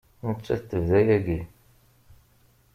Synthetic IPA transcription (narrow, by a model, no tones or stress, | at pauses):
nət͡ʃːæθt̪ːəvðæjæɡi